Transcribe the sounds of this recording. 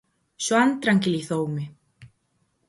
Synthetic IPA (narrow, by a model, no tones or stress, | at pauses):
sɔant̪ɾaŋcɪliθoːwmɪ